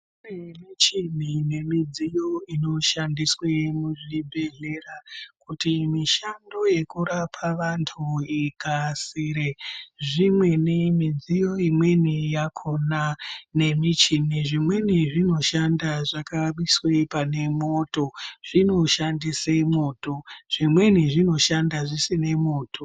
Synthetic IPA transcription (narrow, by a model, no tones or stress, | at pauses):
unemit͡ʃinine̞mid͡zijo̞ino̞ʃandiswemuʐibʱe̞ɮe̞rakutimiʃando̞je̞kuɾapʰaʋantʰuikasiɾeʐimwe̞nemid͡zijo̞imwe̞nijakʰo̞nane̞mit͡ʃiniʐimwe̞niʐino̞ʃandaʐakaɓiswepane̞mo̞to̞ʐ̥ino̞ʃandisemo̞ːto̞ʐ̥imwe̞niʐino̞ʃandaʐisine̞mo̞ːtʰo̞